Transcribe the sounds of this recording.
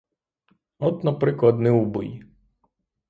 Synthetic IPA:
ɔt̪nɐpɾɪklˠɐd̪nɪubɨ̰j

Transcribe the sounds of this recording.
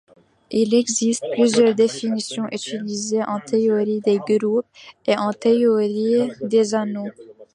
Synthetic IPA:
ilɛɡzist̪̚plyzjœʁd̪efinisjɔ̃ʔyt̪ilizeʔɑ̃t̪eɔʁid̪eɡʁup̚eʔɑ̃t̪eɔʁid̪ezano

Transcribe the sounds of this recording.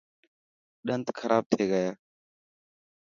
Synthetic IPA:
ɗənt̪kʰəɾʔaːb̚t̪ʰeːɡəjaː

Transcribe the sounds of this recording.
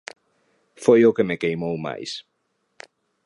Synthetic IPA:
fojokemekejmowma̰js

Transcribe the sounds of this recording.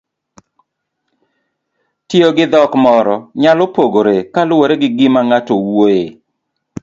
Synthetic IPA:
tɪoɡɪd̪ɔkmɔɾɔɲalopoɡoɾekalʊwoɾeɡɪɡɪmaŋatowoe

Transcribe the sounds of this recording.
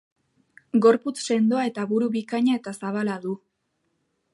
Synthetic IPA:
ɡo̞ɾput͡sse̞nd̪o̞ae̞t̪aβuɾuβikaɲae̞t̪asaβ̞alaðu

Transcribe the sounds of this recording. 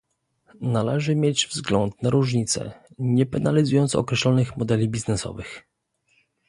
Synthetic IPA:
nalɛʐɘmʲjed͡ʑvzɡlɔnt̪naɾuʐɲit̪sɛ̰ɲɛpɛnalʲizujɔnt̪sɔkɾɛɕlɔnɘxmɔd̪ɛlʲibʲiznɛsɔ̰vɘx

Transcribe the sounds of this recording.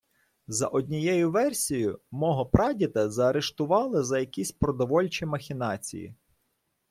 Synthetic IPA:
zɐ̰ʔɔdʲnʲijɛjʊʋɛrsʲijʊmɔɦɔpɾɑdʲit̪ɐzɐːɾeʃt̪ʊʋɑlˠɪzɐjɐkʲisʲpɾɔd̪ɔʋɔlʲt͡ʃimɐxʲɪnɑt͡sʲḭjḭ

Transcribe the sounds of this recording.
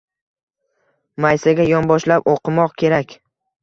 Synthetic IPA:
majsaɡʲajɒnbɒʃlapoqʰɨmɒqkʲʰe̞ɾakʲ

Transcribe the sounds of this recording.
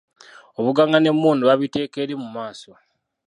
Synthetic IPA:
oβuɡaŋɡane̞muːnduβaβite̞ːke̞ɾimumaːso

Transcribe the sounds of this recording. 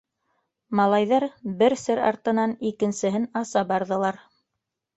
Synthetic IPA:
mɑlˠɑjðɑɾbɘɾsɘɾɑ̰ɾt̪ɤ̆nɑnikɘ̆nsɘ̆ɦɘnɑsɑbɑɾðɤ̆lˠɑɾ

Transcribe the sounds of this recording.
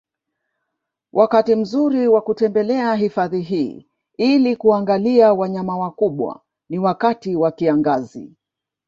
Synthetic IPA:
wʔakatim̩zuɾiwakutɛmbɛlɛaɦifaðiɦiː | ilikuaŋɡaliawaɲamawakuɓwa̰ | niwakatiwakiaŋɡazḭ

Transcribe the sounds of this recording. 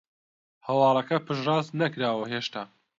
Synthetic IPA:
hɐwɑːlˠɐkɐpʰɨʒrɑːznɐkɾaːwɐɦeːʃt̪aː

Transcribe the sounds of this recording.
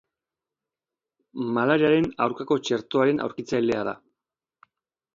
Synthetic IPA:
malaɾiaɾe̞nawɾkako̞t͡ʃe̞ɾt̪o̞aɾe̞nʔa̰wɾkit͡sajle̞aða̰

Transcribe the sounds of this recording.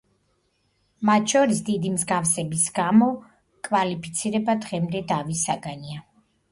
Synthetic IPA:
mat̪ʃɔɾisd̪id̪imzɡafsɛbisɡamɔ | kʼvalipʰi̥t̪sʰiɾɛbad̪ʁɛmd̪ɛd̪avisaɡania

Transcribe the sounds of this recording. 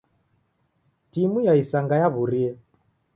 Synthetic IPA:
timujaisaŋɡajaβuɾiɛ

